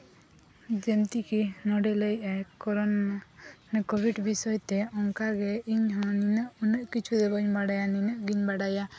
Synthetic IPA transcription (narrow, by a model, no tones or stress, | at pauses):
d͡ʒent̪ikinɔɖɛləjʔakɔɾɔn | nkobʱiɖbisɔjt̪ɛɔŋkaɡɛiɲɦɔ̃ninəʔunəʔkit͡ʃʰud̪ɛbəɲbaɽajaninəʔɡiɲbaɽaja